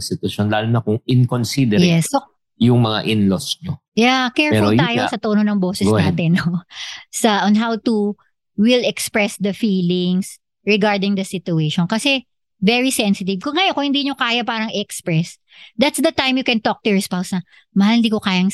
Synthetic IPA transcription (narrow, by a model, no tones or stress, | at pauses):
sɪt̪wɐʃonlaːlonɐkʊŋɪnkonsid̪ɛjɛso | jʊŋmɐŋa̰ʔɪnlosɲo | jakɛɹpɛfʊljt̪ːjosɐt̪oːnonɐŋboːsɛsaːt̪ɛnːosɐʔɔnɦawt̪u | wɪlɛkspɹɛsd̪ɐfiːlɪŋs | ɹɛɡaɹd̪ɪŋd̪ɐsɪt̪ʊeʃɔnkɐsɛ | vɛɹisɛnsɪt̪̬ɪv̚kʊŋːɐjonkʊŋhɪnd̪iːɲokaːjɐpaːɾɐŋɛʔɛkspɹɛs | d̪ɐt̪sd̪ɐt̪ãjmjʊkɛnt̪ok̚t̪ʊɹɪspawsnɐ | mɐhalɪnd̪iːkokaːjɐŋ